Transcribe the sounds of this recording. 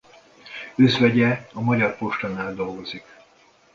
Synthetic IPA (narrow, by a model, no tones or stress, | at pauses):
øzʋɛɟɛɒmɒɟɒrpo̞ʃt̪ɒnaːld̪o̞lɡo̞zik